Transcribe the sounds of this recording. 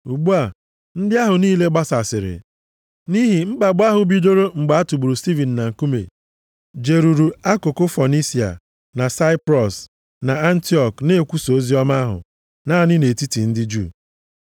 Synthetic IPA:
u˨ɡ͡bu˦a˨ | n̩˦dɪ˦a˦ɦʊ˨niː˦le˦ɡ͡ba˦sa˨sɪ˨ɾɪ̰˨ | ni˦ɦi˨ŋ͡m̩˦ɡ͡ba˨ɡ͡ba˦ɦʊ˨bi˦do˦ɾo˦ŋ͡m̩˨ɡ͡ba˨a˦tu˨ɡ͡bu˨ɾu˨sti˦vi˨n̩ː˨na˨ŋ̩˨ku˦mḛ˨ | d͡ʒe˨ɾu˨ɾu˨a˦kʊ˨kʊ˦fɔ˨ni˦si˨a̰˨ | na˨sa˦ɪ˦pɾɔ˨s | na˨a˦n̩˦ti˦ɔ˨kne˦˨kʷu˦so˨˦zi˦ɔ˦ma˦a˦ɦʊ̰˨ | naː˦˨nɪ˦ne˨ti˦ti˨n̩˦dɪ˦d͡ʒṵ˦˨

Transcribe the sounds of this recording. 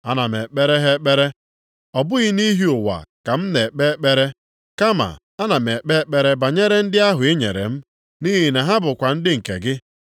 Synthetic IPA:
a˦na˨m˨e˨k͡pe˦ɾe˦ɦe˦k͡pe˦ɾe˦ | ɔ˨bʊ˦ɣɪ˦ni˦ɦi˦ʊ˨wa̰˨ka˨m̩˦ne˨k͡pe˦k͡pe˦ɾe˦ | ka˦ma̰˨ | a˦na˨me˨k͡pe˦k͡pe˦ɾe˦ba˨ɲe˦ɾe˦n̩˦dɪ˦a˦ɦʊ˨e˦ɲe˨ɾḛ˨m̩˦ | ni˦ɦi˨na˨ɦa˦bʊ˨kʷa˨n̩˦dɪ˦ŋ̩˨kḛ˨ɡɪ˦

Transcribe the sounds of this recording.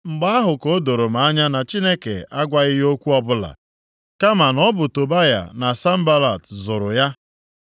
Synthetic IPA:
ŋ͡m̩˨ɡ͡ba˦a˦ɦʊ˨ko˦do˨ɾo˨m̩a˨a˦ɲa˦na˨t͡ʃi˦ne˦kḛ˨a˦ɡʷa˦ɣɪ˦ɦo˦kʷu˦ɔ˦bʊ˦la̰˨ | ka˦ma˨nɔ˦bʊ˨to˨ba˦ja̰˨na˨sa˦m̩˦ba˦la˨tzʊ˨ɾʊ̰˨ja˦

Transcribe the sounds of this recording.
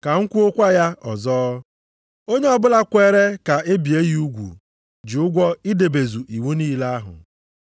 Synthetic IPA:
ka˨ŋ̩˦kʷu˦o˦kʷa˦ja˦ɔ̰˨zɔː˦ | o˦ɲe˦ɔ˨bʊ˦la˦kʷe˦ɾe˦ka˨ʔe˦bi˨e˦ji˦u˦ɡʷṵ˨ | d͡ʒɪ˨ʊ˦ɡʷɔ˦i˦de˨be˨zu˨ʔi˨wu˦niː˦la˦a˦ɦʊ̰˨

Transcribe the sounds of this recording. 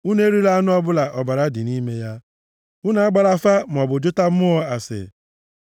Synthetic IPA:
u˦ne˦ɾi˦la˦a˦nʊ˦ɔ˦bʊ˦la˨ʔɔ˨ba˨ɾa˦dɪ˨ni˦me˦ja˦ | ʊ˦na˨a˦ɡ͡ba˨ɾa˦fa˦m˨ɔ˨bʊ˨d͡ʒʊ˦ta˦m̩˦ʊ˦ɔ˦a˨sɪ̰˨

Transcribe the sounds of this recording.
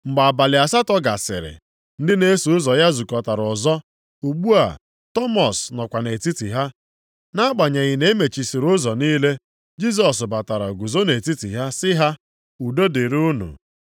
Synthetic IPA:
ŋ͡m̩˨ɡ͡ba˨ba˨lɪ˨a˨sa˦tɔ˦ɡa˨sɪ̰˨ɾɪ̰˨ | n̩˦dɪ˦ne˦su˨ʊ˦zɔ˨ja˦zu˨kɔ˨ta˨ɾɔ˨zɔ˦ | u˨ɡ͡bu˦a̰˨ | tɔ˦mɔ˨snɔ˨kʷa˨ne˨ti˦ti˨ɦa˦ | na˦k͡pa˨ɲa˨ɣɪ˨ne˦me˨t͡ʃi˨sɪ˨ɾʊ˦zɔ˨niː˦le˦ | d͡ʒi˦z̬ɔ˨s̬ba˨ta˨ɾa˨ɡu˨zo˦ne˨ti˦ti˨ɦa˦sɪ˦ɦa˦ | u˨do˦de˨ɾʊ˦nṵ˨

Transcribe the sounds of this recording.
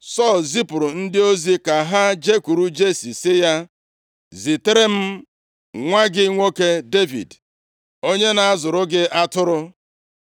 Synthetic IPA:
sɔ˦˨lzi˦pʊ˨ɾʊ˨n̩˦dɪ˦o˦zi˦ka˨ɦa˦d͡ʒe˦kʷu˨ɾu˦d͡ʒe˦si˨sɪ˦ja˦ | zi˨te˦ɾe˦m̩˦ | ŋʷa˦ɡɪ˦ŋʷo˦ke˦de˦vḭ˨d | o˦ɲe˦na˨a˦zʊ˨ɾʊ˦ɡɪ˦ʔa˦tʊ˦ɾʊ˦

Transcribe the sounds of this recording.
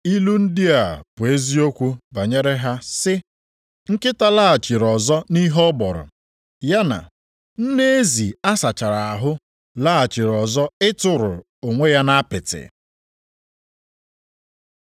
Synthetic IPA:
i˦lu˦n̩˦dɪ˦a˨pʊ˨e˦zi˦o˦kʷu˦ba˨ɲe˦ɾe˦ɦa˦sɪ˦ | ŋ̩˦kɪ˦ta˦la˦a˨t͡ʃɪ˨ɾɔ˨zɔ˦ni˦ɦɔ˦bɔ˨ɾʊ̰˨ | ja˦na̰˨ | n̩˦ne˦e˦zi˨a˦sa˨t͡ʃa˨ɾa˨a˨ɦʊ˦ | la˦a˨t͡ʃɪ˨ɾɔ˨zɔ˦ɪ˦tʊ˨ɾʊ˨ | o˨ŋʷe˦ja˦na˦pɪ˨tɪ̰˨

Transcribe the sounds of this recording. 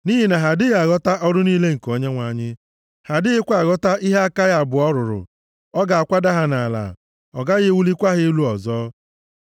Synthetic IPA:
ni˦ɦi˨na˨ɦa˨dɪ˦ɣa˨ɣɔ˦ta˦ʔɔ˦ɾʊ˦niː˦le˦ŋ̩˨ko˦ɲe˦ŋʷa˨ɲɪ˦ | ha˨dɪ˦ɣɪ˦kʷa˨ɣɔ˦ta˦ʔi˦ɦe˦a˦ka˦ɣa˨bʊ˨ɔ˦ɾʊ˨ɾʊ̰˨ | ɔ˦ɡa˨a˨kʷa˦da˦ɦa˨na˨la̰˨ | ɔ˨ɡa˦ɣɪ˦wu˦li˦kʷa˦ɦɪ˦lu˦ɔ˨zɔː˦

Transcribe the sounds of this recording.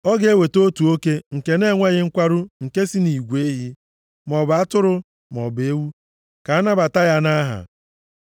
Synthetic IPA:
ɔ˦ɡe˦we˨to˦tu˨o˦ke˦ŋ̩˨ke˦ne˦˨ŋʷa˦ɣɪ˦ŋ̩˦kʷa˦ɾʊ˦ŋ̩˨ke˦si˦ni˨ɡʷe˦ɦi˦ | mɔ˨ba˦tʊ˦ɾʊ˦ | mɔ˨be˨˦wu˦ | ka˨˦na˦ba˨ta˦ja˦na˦ɦa̰˨

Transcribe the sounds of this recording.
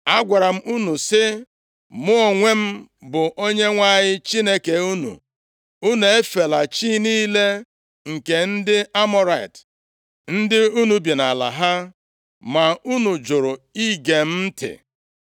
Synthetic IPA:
a˦ɡʷa˨ɾa˨m̩˦ʔu˦nu˨sɪ˦ | mʊ˦o˨ŋʷe˦m̩˦bʊ˨ʔo˦ɲe˦ŋʷa˦˨ɲɪ˦t͡ʃi˦ne˦ke˨u˦nṵ˨ | u˦ne˨e˦fe˨la˨t͡ʃiː˦niː˦le˦ | ŋ̩˨ke˨n̩˦dɪ˦ʔa˦mɔ˦ɾa˨i˨t | n̩˦dɪ˦u˦nu˨bi˨na˨la̰˨ɦa˦ | ma˨u˦nu˨d͡ʒʊ˨ɾʊ˨i˦ɡe˨m̩˦m̩˦tʰɪ̰˨

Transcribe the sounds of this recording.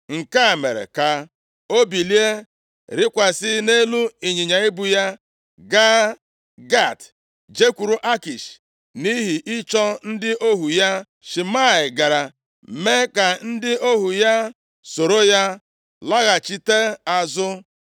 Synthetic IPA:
ŋ̩˨ka˦˨me˨ɾḛ˨ka˨ | o˦bi˨li˦e˦ | ɾɪ˦kʷa˨sɪ˦ne˦lu˦i˨ɲi˨ɲa˨i˦bu˨ja˦ | ɡa˦ | ɡa˦˨t | d͡ʒe˦kʷu˨ɾu˨ʔa˦ki˨ʃ | ni˦ɦi˨ʔi˦t͡ʃɔ˦n̩˦dɪ˦ʔo˦ɦu˨ja˦ | ʃi˨ma˦˨ɪ˨ɡa˨ɾa˨ | me˦ka˨n̩˦dɪ˦o˦ɦu˨ja˦ | so˨ɾo˦ja˦ | la˦ɣa˨t͡ʃi˦te˦a˨zʊ˦

